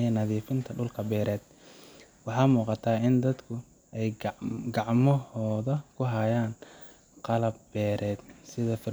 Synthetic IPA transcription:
ɛnɐðiːfɪnt̪ʰɐɖʊlkʰɐbɛːɾɛːd̪̥ | wɑħɑːmuːqɑt̪ʰaːɪnd̪ɐd̪kʰʊ | ɛjɡɑʕmɔhɔːðɐkʰʊɦɐjaːn | qɑlɐbːɛːɾʔɛːd̪sɪðɐfɪr

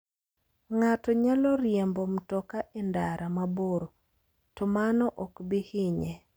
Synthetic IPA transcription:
ŋatɔɲalɔɾjɛmbomtɔkaʔendaɾʔamaboɾo | tɔmanɔʔɔkbɪhɪɲɛ

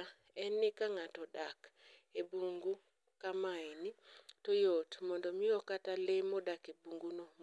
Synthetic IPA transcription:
ɛnikaŋatɔɗakebuŋɡu | kamaenitojotmɔndɔmiɔkatalemɔɗakebuŋɡunom

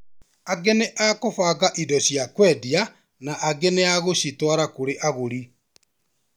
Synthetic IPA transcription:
aɡeneʔakofaɣaʔidɔɕjakwɛːdia | naʔːɡeneaɣoɕitwaɾakoɾeʔaɣoɾi

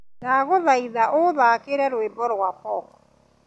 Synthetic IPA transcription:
naɣoðaiðaʔoðaːkeɾɛɾwembɔɾwapɔkɔ̥

